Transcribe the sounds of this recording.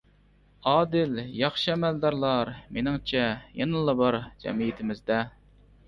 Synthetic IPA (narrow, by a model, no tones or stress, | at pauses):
ɑːd̪ɪljɑχʃiɛmɛld̪ɑɾlˠɑɾmenɪŋt͡ʃʰɛjenɨlˠɑbɑɾd͡ʒɛ̰mijit̪ʰɪmɪzd̪ɛ